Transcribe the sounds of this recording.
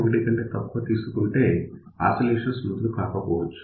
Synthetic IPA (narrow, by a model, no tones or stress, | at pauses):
ɡiɖikɐɳʈeːt̪ɐpːuʋɐt̪iːsukuɳʈe̞ː | a̰ːsɐleːʂɐnsmud̪lukaːkɐpɔːʋɐt͡ʃːu̥